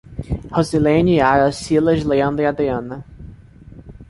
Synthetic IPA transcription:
hozilẽniaɾɐsilɐzleɐ̃nd̪iad̪eɐ̃nɐ

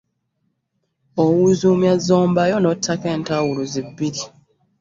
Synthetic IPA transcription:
owuzumjazo̞ːmbajonotʰːake̞ːntawuluzibːiɾi

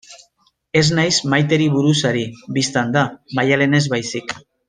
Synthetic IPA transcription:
e̞znajsmajt̪̬e̞ɾiβuɾusaɾibist̪and̪amajale̞ne̞zβajsik

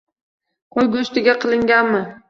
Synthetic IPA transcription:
qʰojɡʲʊʊst̪ɪɡʲaqʰɨlˠɪŋɡʲanmɪ

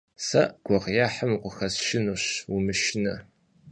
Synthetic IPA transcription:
sɐ̰ʔɡ̥ʷɔʁjaːħəmqʷʊxɐsʃɪnuɕumɨʃɪnɐ

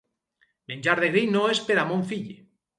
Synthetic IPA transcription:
menʲd͡ʒaɾðeɣɾejnoespeɾamõɱfiʎe

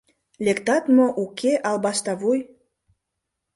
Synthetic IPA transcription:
lʲekt̪ɑt̪moʔukʰeʔɑlbɑʃt̪ɑβuj

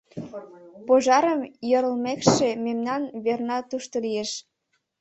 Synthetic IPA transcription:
poʒɑɾəmjəɾə̆lmekʃememnɑnβernɑt̪uʃt̪olijeʃ

